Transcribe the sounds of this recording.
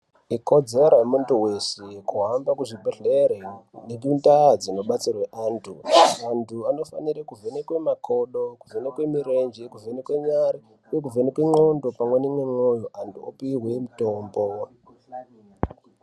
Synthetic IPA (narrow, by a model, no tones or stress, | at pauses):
iko̞d͡zeɾamuntuwe̞sekuɦambakuʐibʱeɮeɾenekintad͡zino̞ɓat͡sirweʔaːntʰṵantʰuano̞fa̰niɾekuvenekwe̞makʰo̞ɗokuvenekwemiɾend͡ʒekuvʱenekwe̞ɲaɾi | ujek̬uvʱenekweŋ͡ǃondo̞pamwenimwemojoʔantʰuo̰piɦwemutoːmbo